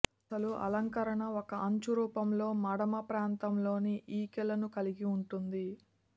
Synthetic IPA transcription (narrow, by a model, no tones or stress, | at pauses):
ɐsɐluʔɐ̰lɐŋkɐɾɐɳɐɔkɐʔɐɲt͡ʃuɾuːpɐmlo̞ːmɐɽɐmɐpɾaːnt̪ɐmlo̞ːniʔiːkɛlɐnukɐliɡiuɳʈund̪i